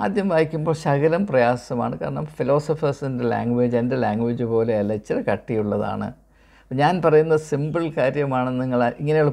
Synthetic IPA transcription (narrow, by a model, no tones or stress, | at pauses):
aːd̪jɐmʋaːjikʲːumbo̞ːɭɕɐkɐlɐmprɐjaːsɐma̰ːɳɨkaːɾɐɳɐmfilo̞ːsɐfɐrsinde̞la̰ːŋɡʋed͡ʑe̞nde̞laːŋɡʋid͡ʑupo̞ːle̞ɐlɐt͡ɕːɐɾekɐʈːijuɭːɐða̰ːɳɨ̰ | pːɐɲaːnpɐrɐjunːɐðsimbɨlkaːɾjɐmaːɳɨniŋːɐɭiŋːɐnejoɭ